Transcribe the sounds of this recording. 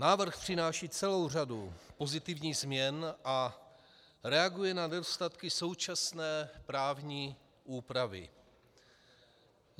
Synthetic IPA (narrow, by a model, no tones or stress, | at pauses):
naːvr̩xpr̝̥ɪnaːʃiːt͡sɛlo̞wr̝adupo̞zɪt̪ɪvɲiːɣzmɲɛnʔa | ɾɛaɡujɛnanɛdost̪at̪kɪso̞wt͡ʃasnɛːpɾaːvɲiː | ʔuːpɾavɪ̰